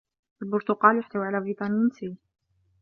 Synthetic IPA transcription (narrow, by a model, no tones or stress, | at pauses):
ʔalbʊɾt̪ʊqɑːljʊħt̪awʕalaːbɾiːt̪ˤɑninsi